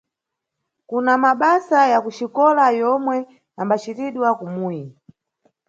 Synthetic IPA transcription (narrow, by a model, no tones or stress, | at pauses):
kunamaɓasajakuʃikɔlajɔmwɛ | ambat͡ʃiɾiɗwakumuːji